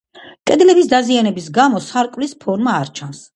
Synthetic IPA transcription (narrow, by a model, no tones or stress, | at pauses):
kʼɛd̪lɛbisd̪azianɛbisɡamɔsaɾkʼvlispʰɔɾmaːɾt͡ʃʰans